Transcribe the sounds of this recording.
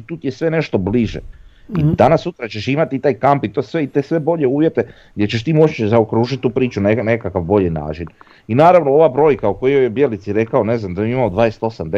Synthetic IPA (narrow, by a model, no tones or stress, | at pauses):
t̪uːt̪ijesʋe̞ne̞ʃt̪o̞bliʒḛ | id̪anasːut̪ɾat͡ɕe̞ʃimat̪iːt̪aːjkampit̪o̞sʋe̞it̪esʋe̞bo̞ʎe̞uːʋje̞t̪e̞ | ɡdʲjet͡ɕeʃ̬t̪iːmo̞t͡ʃzaokɾuːʒit̪̚ʲt̪uːpɾiːt͡ʃunenekakaʋbo̞ʎina̰ːt͡ʃin | inaːɾaʋnoo̞ʋabɾo̞ːjkaukojijojebjelit̪siɾe̞kaone̞znamd̪ajomimaod̪ʋaːest̪osamd̪e